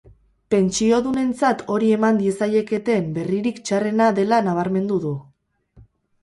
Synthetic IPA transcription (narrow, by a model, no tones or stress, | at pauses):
pe̞nt͡ʃio̞ðune̞nt͡sat̪ʰo̞ɾie̞mand̪ie̞saje̞ke̞t̪e̞mbe̞riɾikt͡ʃare̞naðe̞lanaβ̞aɾme̞nd̪uðu